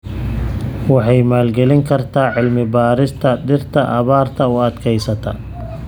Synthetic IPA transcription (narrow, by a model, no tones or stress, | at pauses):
wɑħɑjmaːlɡɛlɪŋkʰɐrt̪ʰaːʕɪlmɪbaːɾɪst̪ʰɐɖɪrt̪ʰɐʔɐβaːrt̪ʰɐʊɐd̪kʰɛjsɐt̪ʰɐ̰